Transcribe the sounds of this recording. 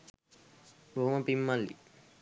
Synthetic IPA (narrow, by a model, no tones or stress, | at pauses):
boɦuməpimːalːḭ